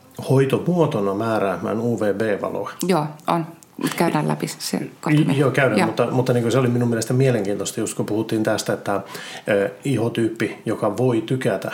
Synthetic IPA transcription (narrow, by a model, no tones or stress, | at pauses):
hoit̪omuot̪onɑmæːræːmːæ̰ːnuːʋeːbeːʋɑ̰lo̰ɑjoːon | t̪kæydæːlæ̰pissḛkɑmjoːkæyɾæmmut̪ːɑmut̪ːɑniːŋkøseoliminumielest̪æmieleŋkiːnt̪ost̪ɑjust̪kupuhut̪ːiːnt̪æst̪æet̪ːæː | ihot̪yːpːijokɑʋoit̪ykæt̪æ̰